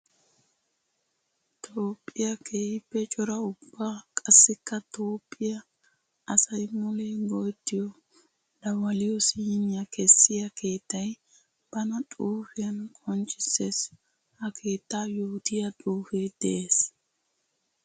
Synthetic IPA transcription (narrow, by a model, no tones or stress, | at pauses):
t̪ʰʼoːpʼːɪjɐkʰejɪpːɛt͡ʃʼɔɾɐʊbːaːkʼɐsːɪkːɐt̪ʰoːpʼːɪjɐ | ɐsɐjmʊleːɡojt̪ːɪjɔ | d̪̥ɐwɐlɪjɔsiːnɪjɐkʰɛsːɪjɐkʰe̞ːt̪ːɐj | b̥ɐnɐt̪ʼuːfɪjɐnkʰʼɔnt͡ʃʼːɪses | hɐkʰe̞ːt̪ːaːjoːt̪ɪjɐt̪ʼuːfed̪̥ɛʔeːs